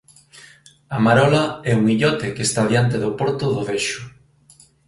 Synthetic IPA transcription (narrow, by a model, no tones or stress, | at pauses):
amaɾɔlaɛuŋiʎɔt̪ekest̪aðjant̪eðʊpɔɾt̪ʊðʊβeʃʊ